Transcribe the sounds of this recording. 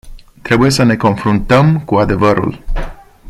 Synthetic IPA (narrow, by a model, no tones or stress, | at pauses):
t̪ɾe̞buje̞səne̞ko̞nfɾunt̪əmkuad̪e̞vəɾṵl